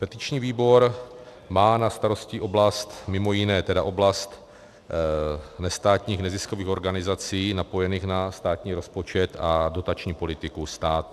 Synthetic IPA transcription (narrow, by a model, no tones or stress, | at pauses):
pɛt̪ɪt͡ʃɲiːviːbo̞ɾ | maːnast̪aɾo̞sciʔo̞blast̪mɪmo̞jɪnɛːt̪ɛdaʔo̞blast̪ | nɛst̪aːt̪ɲiːxnɛzɪsko̞viːxo̞ɾɡanɪzat͡siːnapo̞jɛniːxnast̪aːt̪ɲiːɾo̞spo̞t͡ʃɛt̪ado̞t̪at͡ʃɲiːpo̞lɪt̪ɪkust̪aːt̪u